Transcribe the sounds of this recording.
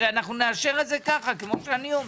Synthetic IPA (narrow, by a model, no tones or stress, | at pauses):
eanaχnuneaʃe̞ʁezekaχakemoʃeanio